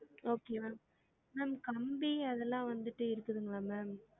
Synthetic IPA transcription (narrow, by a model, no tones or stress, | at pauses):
oːkemaːm | maːmkɐmbiɐðɛlːãːʋɐnd̪ɯʈːɯɪɾɯkːɯðɯŋɡɐɭaːmaːm